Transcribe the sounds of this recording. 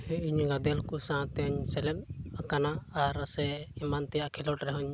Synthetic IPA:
ɛiɲɡad̪ɛlkusãt̪ɛɔɲsɛlɛnakanaaɾasɛimant̪ɛjaʔkʰɛlɔʈɾɛɦɔɲ

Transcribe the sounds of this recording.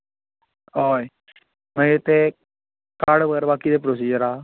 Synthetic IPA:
oːe | mɛ̃ʊt̪ːeː | kaɽʋəɡɛːɾbaːkiːd̪eːpɾoːs̬iːd͡ʒəɾaː

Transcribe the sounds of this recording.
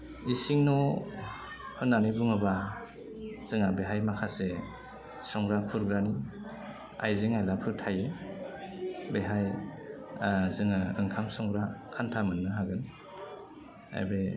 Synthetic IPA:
isiŋnɔ | hɯnːanibɯŋɯba | z̥ɯŋabeɦajmakʰase | sɔŋɡɾakʰuɾɡɾani | a̰jziŋajlapʰɯɾtʰaje | beɦaj | zɯŋaɯŋkʰamsɔŋɡɾakʰantʰamɯnːɯɦaɡɯn | a̰jbe

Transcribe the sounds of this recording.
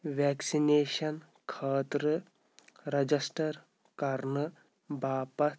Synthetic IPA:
ʋɛːksineːʃɐn | kʰaːt̪ɾɨ | ɾɐd͡ʒɐsʈɐɾ | kɐɾnɨ | baːpɐt̪

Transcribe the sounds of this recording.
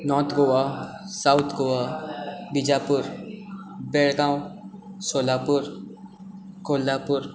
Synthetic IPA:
nɔɾt̪ʰɡowa | sawt̪ʰɡowabid͡ʒapuɾ | beɭɡãw̃solapuɾ | kolːapuɾ

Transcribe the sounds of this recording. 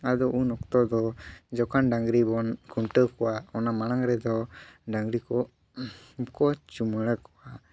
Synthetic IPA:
ad̪ɔʔunɔkt̪ɔd̪ɔd͡ʒɔkanɖaŋɡɾibɔnkuɳʈəkɔwaɔnamanaŋɾɛd̪ɔɖaŋɡɾikɔ | kɔt͡ʃuməɽəkɔwa

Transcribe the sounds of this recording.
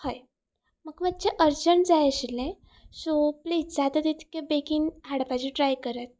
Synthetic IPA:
haj | məkmat̚t͡ɕeʔəɾd͡ʑəɳd͡zajəɕilẽ | sopliːd͡zad̪ad̪it̪ʰi̥kebekinɦaɽpad͡ʑiʈɾajkəɾət̪̚

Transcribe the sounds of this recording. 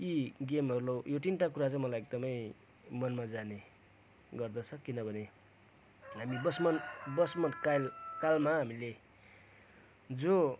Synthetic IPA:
iɡemɦʌɾulojoʈinʈakuɾat͡sʌ̃mʌlajek̚d̪ʌmʌj | mʌnmad͡zane | ɡʌrd̪ʌt͡sʰʌkinʌbʱʌne | ɦamibʌsmʌnbʌsmʌnkalkalmaɦamile | d͡zo

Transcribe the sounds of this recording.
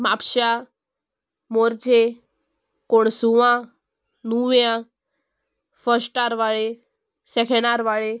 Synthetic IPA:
mapɕa | moɾt͡ɕe | koɳsuʋã | nuʋjã | fəɾsʈaɾʋaɭe | sɛkʰẽɳaɾʋaɭe

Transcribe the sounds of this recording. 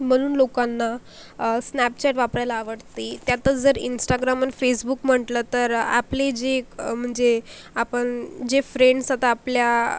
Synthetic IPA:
m̤əɽ̃uːnlokanːa | snæpt͡ɕɛʈʋapɾajlaːʋəɽt̪it̪jat̪ət͡sd͡zəɾḭnsʈaɡɾamənfesbukm̤əʈlət̪əɾa̰pled͡ʑekm̤əɳd͡ze | apəɳd͡ʑefɾeɳɖsat̪aːplja

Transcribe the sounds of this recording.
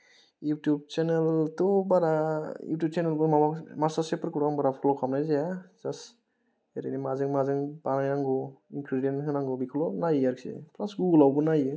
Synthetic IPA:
jutjub̚t͡ʃeneltɔbaɾajṵtjub̚t͡ʃenelbɯɾmabamasasepʰɯɾkʰɔɾkaŋbaɾapʰɔlɔkʰamnajzajaz̥as | eɾenimazɯŋmazɯŋbanajnaŋɡɔinkɾidienɦɯnaŋɡɔbikʰɔlɔnajaɾksḛpʰlasɡuɡulawbɯnajɯ

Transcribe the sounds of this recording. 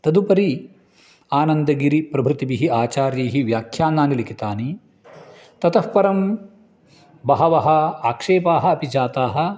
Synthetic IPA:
t̪ɐd̪upɐɾi | aːnɐnd̪ɐɡiɾipɾɐbʱɾut̪ibiɦiaːt͡ʃaːɾjɐːɦiʋjaːkʰjaːnaːnilikit̪aːni | t̪ɐt̪ʰɐhpɐɾɐm | bɐɦɐʋɐɦɐ̆aːkʂeːpaːɦɐ̆ɐpid͡ʒaːt̪aːɦɐ̆

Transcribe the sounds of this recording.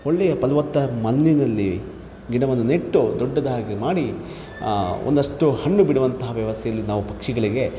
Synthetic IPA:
oɭːejɐpɐlʋɐt̪ːɐmɐnːinɐlːi | ɡiɳɐʋɐnuneʈːud̪ɔɖːɐd̪ɐɦaːɡemaːɽi | ond̪ɐʂʈuhɐɳːubiɽuʋɐnt̪ɐɦɐʋjɐʋɐst̪ʰɛjɐlːinaːʋupɐkʂiɡɐɭiɡe̞

